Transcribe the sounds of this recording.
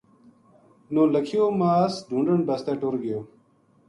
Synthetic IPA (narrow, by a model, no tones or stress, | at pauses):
noːlɐkʰijoːmaːsd̪ʱũɳɖəɳbɐst̪eːʈuɾɡejoː